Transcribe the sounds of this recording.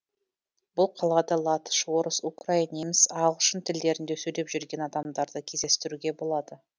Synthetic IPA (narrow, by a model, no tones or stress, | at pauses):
b̥ʊlˠqʰɑlˠɑd̪ɑlˠɑt̪ə̥ʃwo̞ɾəsukrainemɪsɑʁˠʃənt̪ʰɪld̪e̞ɾɪnd̪e̞sɵjd̪e̞pʒʏɾɡʲe̞nɑd̪ɑmd̪ɑɾd̪əkʲʰe̞zd̪e̞st̪ɪɾuɡʲe̞bo̞lˠɑd̪ə